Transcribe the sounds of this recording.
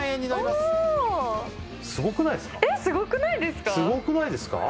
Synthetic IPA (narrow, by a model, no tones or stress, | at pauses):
ẽɲ̟ːinaɾimas | sɨɡo̞kɯ̟naid̪esɨ̥kaesɨɡo̞kɯ̟naid̪e̞sɨ̥kasɨɡo̞kɯ̟naid̪e̞sɨ̥ka̰